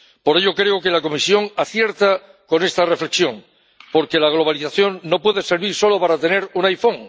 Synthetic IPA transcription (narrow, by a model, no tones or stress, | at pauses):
po̞ɾe̞ʎo̞kɾeoke̞lako̞misjo̞ŋaθje̞ɾt̪a | ko̞ne̞st̪are̞fle̞ksjo̞ŋ | po̞ɾke̞laɣ̞lo̞β̞aliθaθjo̞ŋːo̞pweðe̞se̞ɾβ̞iɾso̞lo̞paɾat̪e̞ne̞ɾunajfo̞ŋ